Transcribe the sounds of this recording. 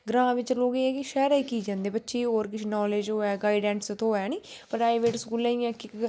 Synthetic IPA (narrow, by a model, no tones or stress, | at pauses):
ɡɾãːʋɪt͡ʃloːɡeːɛːkɪʃɛːɾaːiːkiːd͡ʒãːnd̪eːbətːʃeːɦoːɾkɪt͡ʃʰnɔːleːd͡ʒɦoːɛːɡaːiɖɛ̃ːɳʈst̪oːɛːniːpɾaːiʋeːʈskuːlaːijãːkɪk